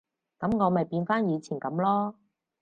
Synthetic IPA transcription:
kɐ˨˥mŋɔː˨˧mɐ˨˩jpiː˧nfaː˥njiː˨˧t͡sʰiː˨˩nkɐ˨˥mlɔː˥

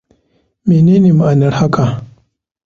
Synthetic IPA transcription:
meː˨ne˦ne˨ma˨ʔa˨nɐ˦ɾha˦ka˨

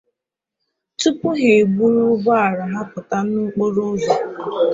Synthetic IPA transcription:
tu˦pʊ˦ɦe˨ɡ͡bu˦ɾu˦bɔ˦a˨ɾa˨ɦa˦pʊ˨ta˦nu˦k͡po˦ɾo˦zo˨

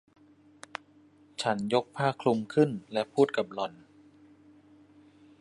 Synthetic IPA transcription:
t͡ɕʰa˦˥njo˦˥k̚pʰaː˥˩kʰlu˧mkʰɯ˥˩nlɛ˦˥pʰuː˥˩t̪̚ka˨˩p̚lɔ˧˩n

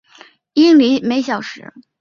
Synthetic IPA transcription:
i˥ŋli˧˥me˧˥ɪɕ̬jɑ˨˩ʊʂɻ̩˧˥

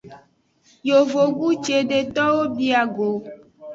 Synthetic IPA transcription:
jo˨vo˨ɡu˦t͡ʃe˨ɖe˨t̪ɔ˦wo˦bi˦a˨ɡo˨

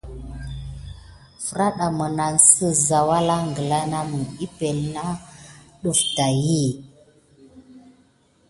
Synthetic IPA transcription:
fə˦ɾa˦ɗa˨mə˨na˨nsə˦za˨wa˦la˦ŋɡə˨la˦na˦mə˨i˦pe˨lna˦ɗu˦fta˨ji˦˨

